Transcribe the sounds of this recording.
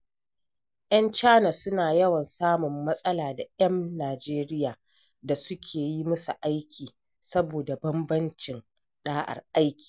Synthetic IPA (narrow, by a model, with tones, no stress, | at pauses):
ʔɐ˦nt͡ʃaː˦nɐ˨sʊ˦naː˨jɐ˦wɐ˨nsaː˦mʊ˨mːɐ˦sʼɐ˦laː˨da˨jɐ˦nːaː˨d͡ʒeː˦ɾɪ˦jaː˨ | da˨sʊ˦kʲʰeː˨ji˦mʊ˦su˨ʔa˦jkʲʰiː˨ | sɐ˦boː˨da˨bɐ˦mbɐ˦nt͡ʃɪ˨n | ɗaː˦ʔa̰˨rʔa˦jkʲi̥ː˨